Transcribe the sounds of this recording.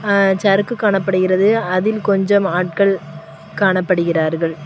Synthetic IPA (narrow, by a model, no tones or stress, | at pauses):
t͡ʃɐɾɯkːɯkːaːɳɐpːɐɽɯɣɪrɐðɯɐðɪlkɔɲd͡ʒɐmaːʈ̚kɐɭ | kaːɳɐpːɐɽɯɣɪraːɾɣɐɭ